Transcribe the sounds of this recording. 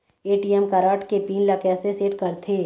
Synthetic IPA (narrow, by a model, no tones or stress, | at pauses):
eːʈijɛmkaːɾaːʈkepiːnlakɛːseseːʈkɐɾt̪ʰeː